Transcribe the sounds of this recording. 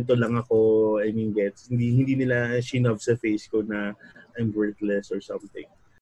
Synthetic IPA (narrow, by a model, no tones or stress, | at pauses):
nt̪olɐŋɐkoɐjminɡɛt̪shɪnd̪ihɪnd̪iːnɪlaʃinɐbsɐfejskonɐʔajmbɛɹθlɛsɔɹsɐ̃mt̪ɪ̰̃ŋ